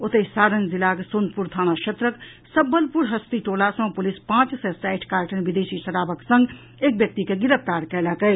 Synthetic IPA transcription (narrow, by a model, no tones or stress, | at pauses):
ot̪esaɾənzilakesonpuɾt̪ʰañaʃʰet̪ɾək | səbːəlpuɾɦəst̪iʈolasə̃w̃pulispãt͡ʃsɛsajʈʰkaɾʈʰənbid̪esisəɾabəksə̃ŋɡ | ek̚bjək̚t̪ikeɡiɾəp̚t̪aɾkɛləkəj